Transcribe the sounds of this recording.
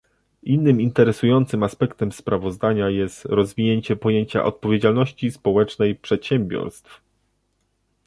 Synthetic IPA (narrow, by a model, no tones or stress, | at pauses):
ʔinːɘmint̪ɛɾɛsujɔnt̪sɘmaspɛkt̪ɛmspɾavɔzd̪aɲajɛst̪ɾɔzvʲiɲeɲt͡ɕɛpɔjeɲt͡ɕa̰ʔɔt̪̚pɔvʲjed͡ʑalnɔɕt͡ɕispɔwɛt͡ʂnɛjpʂɛt̪ɕɛmbʲjɔ̰ɾst̪f